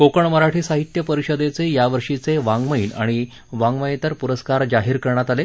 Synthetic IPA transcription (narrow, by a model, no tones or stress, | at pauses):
kokəɳməɾaʈʰiːsaɦit̪jəpəɾiɕəd̪et͡sejaʋəɾʂit͡seʋaŋɡməina̰ɽ̃i | ʋãŋɡməjet̪əɾpuɾəskaɾd͡zaɦiːɾkəɾɳjat̪ale